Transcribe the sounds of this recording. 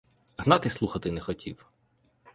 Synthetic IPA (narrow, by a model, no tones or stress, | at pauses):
ɦnɑt̪ɪslˠuxɐt̪ɪnɛxɔtʲḭw